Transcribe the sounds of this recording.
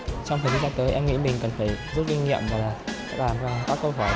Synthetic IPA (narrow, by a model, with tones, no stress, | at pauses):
t͡ɕɔ˧wŋ͡m̪t̪ʰə˨˩˨zaː˧t̪əː˨˦jʔɛ˧mŋḭ˧˥mi˨˩ŋ̟kə˨˩nfaː˧˩jzu˦˥t̚kï˧ŋ̟ŋḭ˧˨əmvaː˨˩laː˨˩taː˦˥k̚ɓaː˧˩nvaː˨˩kaː˦˥kːə˧wɦɔ˧˩j